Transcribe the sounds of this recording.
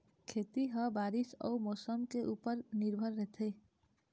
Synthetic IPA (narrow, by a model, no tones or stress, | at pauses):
kʰet̪iɦəbaːɾisə̰umoːsəmkeʔuːpəɾniɾbʱəɾːɛɦt̪ʰə